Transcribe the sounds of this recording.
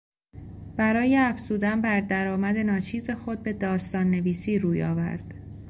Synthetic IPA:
b̥æɾɒːje̞æfzuːd̪ænbæɾd̪æɾɒːmæd̪e̞nɒːt͡ʃʰiːze̞xo̞d̪̚be̞d̪ɒːst̪ɒːnːe̞viːsiːɾuːjɒ̰ːvæ̰ɾd̪̥

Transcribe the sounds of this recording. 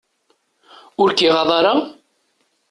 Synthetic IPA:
ʊɾkiʁɑðˤɑɾɑ

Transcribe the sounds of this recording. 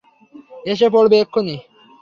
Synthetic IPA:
eʃ̬epɔɽbekʰːoni

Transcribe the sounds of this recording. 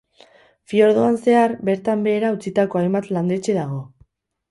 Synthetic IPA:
fio̞ɾð̞oanse̞aɾbe̞ɾt̪ambe̞ːɾaut͡sit̪ako̞ajmbat̪land̪e̞t͡ʃe̞ðaɣ̞o̞

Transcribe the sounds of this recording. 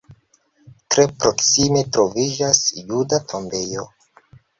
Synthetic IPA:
tɾe̞pɾo̞ksime̞tɾo̞vid͡ʒasjudatʰo̞mbe̞jo̞̰

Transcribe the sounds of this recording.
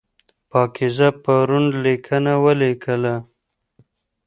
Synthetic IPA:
pɑkɪzapaɾunlikʰənawəlekʰəla

